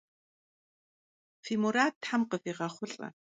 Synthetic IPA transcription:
fiːmuɾaːt̚tħamqəfiːʁɐχʷʊɬʼɐ̰

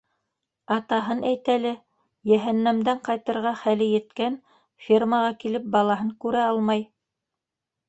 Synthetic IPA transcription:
ɑt̪ɑɦɤnʔæjt̪ælɘ | jæɦænːæmd̪æɴqɑjt̪ɤ̆ɾʁɑχælɘjɘ̆t̪kæn | fʲirmɑʁɑkilɘp̚bɑlˠɑɦɤŋkʉɾæɑlˠmɑj

